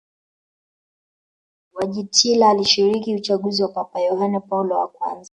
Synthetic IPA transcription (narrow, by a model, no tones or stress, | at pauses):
waʄitʰilaːliʃiɾikiut͡ʃaɠuziwapapajɔhanɛpalɔwa̰kwa̰nza